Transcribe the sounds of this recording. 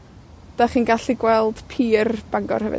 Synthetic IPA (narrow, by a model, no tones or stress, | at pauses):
d̥aχinɡaɬiɡwɛlˠd̥pʰiːrb̥aŋɡɔ̰rhɛvɨ̰